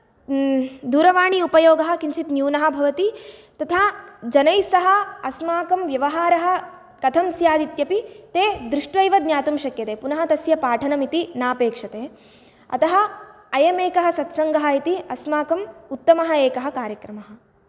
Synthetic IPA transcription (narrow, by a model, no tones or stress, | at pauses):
d̪uːɾɐʋaːɳiupɐjoːɡɐɦɐ̆kint͡ʃit̪njuːnɐɦɐ̆bʱɐʋɐt̪it̪ɐt̪ʰad͡ʒɐnɐjsɐɦɐ̆ɐsmaːkɐmʋjɐʋɐɦaːɾɐɦɐ̆ | kɐt̪ʰɐmsjaːd̪it̪jɐpit̪eːd̪ɾuʂʈʋɐjʋɐd̪njaːt̪umʃɐkjɐt̪eːpunɐɦɐt̪ɐsjɐpaːʈʰɐnɐmit̪inaːpeːkʂɐt̪eː | ɐ̰t̪ɐɦɐ̆ | ɐjɐmeːkɐɦɐ̆sɐt̪sɐŋɡɐɦɐit̪iɐsmaːkɐmut̪ːɐmɐɦɐeːkɐɦɐkaːɾjɐkɾɐmɐɦɐ̆